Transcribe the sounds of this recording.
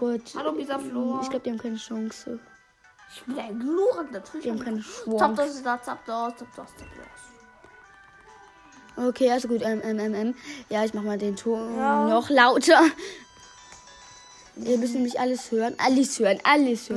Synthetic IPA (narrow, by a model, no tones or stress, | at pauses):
ɡ̥uthaloizɐfloɪçɡ̥aʊb̚ə̥diɐhaːmkʰaɪnəʃɔŋsə | ʔɪçb̥ɪnaɪnɡluːʁəndɐtʁɪiːhaːbm̩kʰaɪnəʃv̥ʊɔdɔsdat͡sap̚dɔstʰɔp̚d̥ɔstʰɔpɔ̰s | ʔokʰeːʔalzoɡuːtʔɛmʔɛmɛmɛmjaːɪç̬maχəmaːldeːntʰoːnnɔχlaʊtʰɐ | viːɐmʏsn̩ɛmlɪçʔaləshøːʁənʔa̰ləshøːʁənʔaləshøː